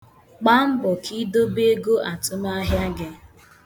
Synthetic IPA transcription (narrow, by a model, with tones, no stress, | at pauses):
k͡pa˦m̩˦bɔ˨kʰi˦do˦be˦ɡo˦ʔa˨tʊ˦m˦a˦ɦja˦ɡɪ˦